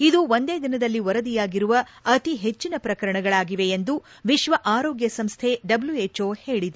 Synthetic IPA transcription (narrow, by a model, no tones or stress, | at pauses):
id̪uʋond̪eːd̪inɐd̪ɐlːiʋɐɾɐd̪ijaːɡiɾuʋɐː | t̪iɦe̞t͡ʃːinɐpɾɐkɐɾɐɳɐɡɐɭaːɡiʋe̞end̪u | ʋiʃʋɐʔaːɾoːɡjɐsɐmst̪ʰe̞ɖɐbljueːt͡ʃoːhe̞ːɭid̪